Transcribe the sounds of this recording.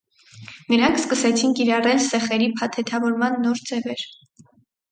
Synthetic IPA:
nəɾɑŋkʰskəsɛt͡sʰinkiɾɑrɛlsɛχɛɾipʰɑt̪ʰɛt̪ʰɑvɔɾmɑnːɔɾd͡zɛvɛɾ

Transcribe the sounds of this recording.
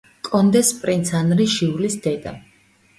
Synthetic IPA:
kʼɔnd̪ɛspʼɾint̪sʰanɾiʃiulisd̪̥ɛd̪a̰

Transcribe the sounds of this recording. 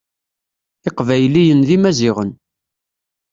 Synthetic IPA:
ɪqvæjlijənðimæzɪʁən

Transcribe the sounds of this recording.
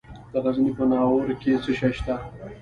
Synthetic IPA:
d̪̥əɣazinipənɑːwoɾket͡səʃaʃt̪a

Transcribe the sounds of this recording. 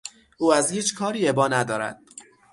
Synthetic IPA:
ʔuːæzhiːt͡ʃʰkʰɒːɾiːebɒːnæd̪ɒːɾæ̰d̪̥̚

